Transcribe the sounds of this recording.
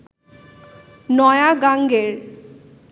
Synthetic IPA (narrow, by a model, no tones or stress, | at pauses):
nɔeaɡaŋɡeɾ